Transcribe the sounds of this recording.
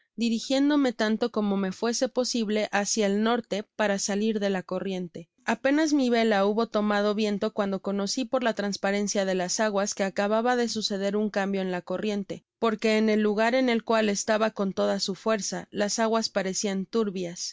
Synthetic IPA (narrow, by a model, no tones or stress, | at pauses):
d̪iɾixje̞nd̪o̞me̞t̪ant̪o̞ko̞mo̞me̞fwe̞se̞po̞siβle̞ʔasjaelno̞ɾt̪e̞paɾasaliɾðe̞lako̞rje̞nt̪e̞ | ape̞nazmiβe̞lauβo̞t̪o̞mað̞o̞βje̞nt̪o̞kwand̪o̞ko̞no̞sipo̞ɾlat̪ɾanspaɾe̞nsjaðe̞lasaɣwaske̞akaβaβaðe̞suse̞ð̞e̞ɾuŋkambjo̞enlako̞rje̞nt̪e̞ | po̞ɾke̞ːne̞lːuɣaɾe̞ne̞lkwale̞st̪aβako̞nt̪o̞ð̞asufwe̞ɾsalasaɣwaspaɾe̞siant̪uɾβjas